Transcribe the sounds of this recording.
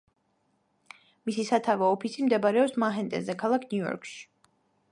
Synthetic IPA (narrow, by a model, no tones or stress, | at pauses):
misisat̪ʰavɛːpʰisimd̪ɛbaɾɛɔpsmaɦɛnt̪ʼɛ̰zɛkʰalˠakʰnjuɔ̰ɾkʰʃi̥